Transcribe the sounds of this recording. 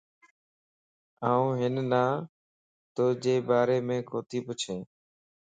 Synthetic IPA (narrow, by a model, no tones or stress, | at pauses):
aːũːɦɪnnaː | t̪oːd͡ʒeːbaːɾeːmẽːkoːt̪iːpʊt͡ʃʰẽː